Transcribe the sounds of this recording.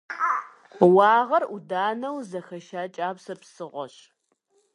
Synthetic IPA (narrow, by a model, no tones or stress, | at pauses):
wɑːʁɐrudaːnɐwzɐxɐʃaːt͡ʃʼaːbsɐpsɨʁʷɔ̰ɕ